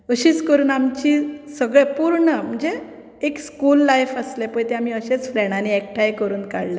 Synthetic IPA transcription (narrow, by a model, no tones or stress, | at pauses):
əɕiːskəɾuːnamt͡ɕisəɡɭepuɾɳəm̤əɳd͡zeː | kskulːajfəslepəjt̪eam̤iːəɕet͡sfɾeɽaniekʈʰajkəɾuːnka̰ɽle